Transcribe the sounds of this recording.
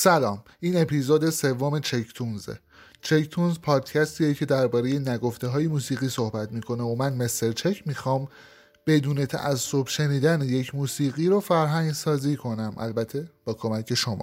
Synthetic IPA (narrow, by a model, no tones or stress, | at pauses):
sælɒːm | iːne̞pʰizoːd̪e̞se̞vːome̞t͡ʃʰect̪ʰunzḛ | t͡ʃʰect̪ʰunzpʰɒːd̪cʰæst̪ijecʰe̞d̪æɾbɒːɾe̞jenæɡo̞ft̪e̞ɦɒːjemuːsiːɣiːso̞hbæt̪ʰmiːkʰo̞neomænmest̪eɾt͡ʃʰecʰmiːxɒːm | b̥e̞d̪uːne̞t̪ʰæ̰ʔæsːo̞bʃe̞niːd̪æneje̞cʰmuːsiːɣiːɾofæɾɦæŋɟsɒːziːkʰo̞næmʔæ̰lbæt̪ʰːe̞b̥ɒːkʰo̞mæcʰe̞ʃo̞mɒ̰